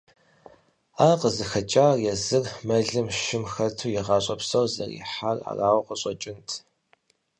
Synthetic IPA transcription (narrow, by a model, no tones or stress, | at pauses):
aːqəzɨxɐt͡ʃʼaːrjɛzɨrmɐɮɨmʃɪmxɐrtʰuːjɛʁɑːɕʼɐpsɐwzɐ̰rḭːħara̰ːraːwqəɕʼɔt͡ʃʼɪntʰ